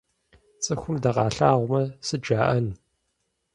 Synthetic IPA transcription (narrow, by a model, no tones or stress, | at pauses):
t͡sʼɨxʷʊmdɐqɑːɬaːʁʷʊmɐsɨd͡ʒaːʔɐn